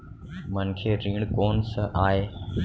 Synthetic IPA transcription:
mənkʰeːɾĩːɳkoːnsəʔaːɦeː

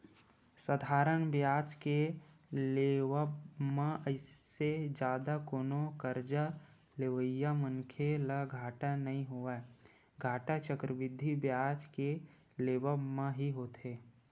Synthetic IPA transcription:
səd̪ʱaːɾənbjaːt͡ʃke | leːʋəbmãəɪsed͡ʒjaːd̪akoːnokəɾd͡ʒa | leʋəjːamənkʰelaɡʱaːʈanɐɦĩɦoa | ɡʱaːʈat͡ʃəkɾəʋɪd̪ʱːibjaːt͡ʃke | leːʋəmãɦiɦoːt̪eː

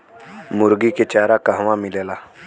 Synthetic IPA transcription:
mʊɾɡiket͡ʃaːɾakaɦʋãmɪleːlaː

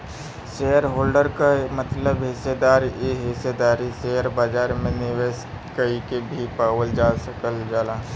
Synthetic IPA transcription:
ʃeːəɾɦoːlɖəɾkamət̪ləbɦɪsed̪aːɾjeɦɪsed̪aːɾiʃejəɾbaːd͡ʒaːɾmẽnɪʋeːs | kəikebʱipaːwəld͡ʒaːsəkəld͡ʒaːlaː

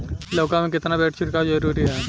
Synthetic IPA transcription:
loːkamẽkɪt̪nabɛːʈʰt͡ʃʰiɾkad͡ʒəɾuɾiɦɛː

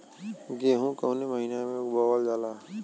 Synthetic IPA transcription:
ɡeːɦũkəʊneməɦinamẽʊbaːwəld͡ʒaːlaː

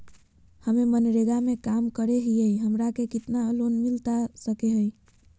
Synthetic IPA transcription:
həmemənɾeɡamekamkəɾeɦijəjɦəmɾakekit̪naəlonmilt̪asəkeɦəj

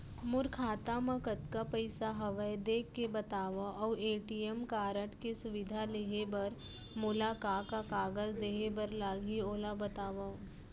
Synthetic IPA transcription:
mʊɾkʰaːt̪amãkɐt̪kapɐɪsaɦɐʋəjd̪eːkːebɐt̪aːʋaʔɔːeːʈiemkaːɾəʈkesʊʋɪd̪ʱaleɦebɐɾ | mʊlakaːkakaːɡəzd̪eɦebɐɾlaːɡʱioːlabɐt̪aːʋa

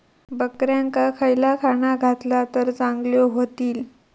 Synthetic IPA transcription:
bəkɾjãŋkakʰəjlakʰaɳaɡʱat̪lat̪əɾt͡saŋɡljoɦot̪iːl

